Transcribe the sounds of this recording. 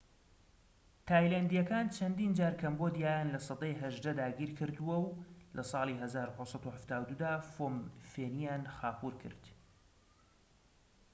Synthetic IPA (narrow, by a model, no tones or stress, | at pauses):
t̪ʰaːjlaːnd̪ijɐkaːnt͡ʃʰɐnd̪iːnd͡ʒaːɾkʰɐmbod̪ijaːjanlɐsɑd̪ɑːjɦɐʒd̪ɐd̪aːɡiːɾkʰɨɾd̪uwɐwlʔɐsˤɑːlˠiɦɐzaːɾuhosˤɑt̪uhaft̪aːwd̪ud̪aːfoːmfeːnijaːnxaːpuːɾkʰɨ̰ɾd̪̥